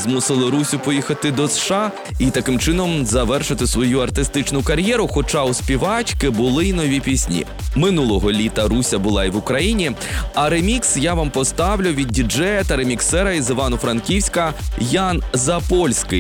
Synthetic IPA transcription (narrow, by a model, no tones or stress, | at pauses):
zmusɪlˠɪɾusʲʊpɔjixɐt̪ɪd̪ɔsʃɑ | it̪ɐkɪmt͡ʃɪnɔmzɐʋɛrʃɪt̪ɪsʋɔjuɐrt̪ɪst̪ɪt͡ʃnʊkɐɾʲjɛɾʊxɔt͡ʃɑʊsʲpʲiʋɑt͡ʃkɪbʊlˠɪinɔʋʲipʲisʲnʲḭ | mɪnulˠɔɦɔlʲit̪ɐɾusʲɐbʊlˠɑiʋʊkɾɐjinʲiɐɾemʲiksjaʋɑmpɔst̪ɑʋlʲʊʋʲid̪̚ʲdʲid͡ʒɛjɐt̪ɐɾemʲiksɛɾɐizɪʋɑnʊfɾɐnkʲiwsʲkɐjanzɐpɔlʲsʲkɪ